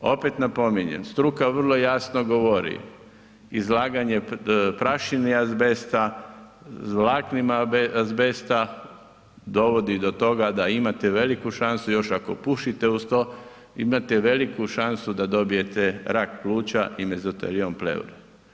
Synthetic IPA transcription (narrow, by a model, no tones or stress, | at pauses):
o̞pe̞t̪napo̞miɲḛmst̪ɾukaʋr̩lˠo̞jasnoɡo̞ʋo̞ɾḭ | izlaːɡaɲe̞pɾaʃiniazbest̪a | zʋlaːknimazbest̪a | d̪o̞ʋo̞d̪id̪o̞t̪o̞ɡad̪aimat̪eʋe̞likuʃansujo̞ʃakopuʃit̪eust̪o | imat̪eʋe̞likuʃansud̪ad̪o̞bije̞t̪eɾakpluːt͡ɕa̰ʔime̞zot̪ḛliomplḛṵɾe